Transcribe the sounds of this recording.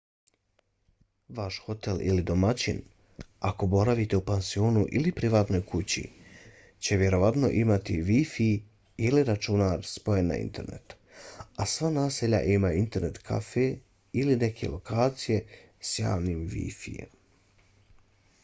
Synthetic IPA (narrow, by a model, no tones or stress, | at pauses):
ʋaʃxo̞t̪e̞lḭlid̪o̞mat͡ɕin | ako̞bo̞ɾaʋit̪e̞upansio̞ːnuʔilipɾiʋaːt̪no̞jkʰut͡ɕḭ | t͡ɕe̞ʋje̞ɾo̞ʋat̪no̞̰ʔimat̪iʋifiː | liɾat͡ʃunaɾspo̞jenːa̰ḭnt̪e̞̰ɾne̞̰t̪ | asʋanaːseʎa̰ʔimaint̪e̞ɾne̞t̪kʰa̰fe | iline̞kʰe̞̰lo̞kʰaːt̪sije̞ | sja̰ːʋniːmʋḭfḭjḛm